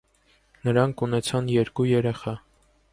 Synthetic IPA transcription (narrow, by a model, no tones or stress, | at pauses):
nəɾɑŋkʰunɛt͡sʰɑnjɛɾkujɛɾɛχɑ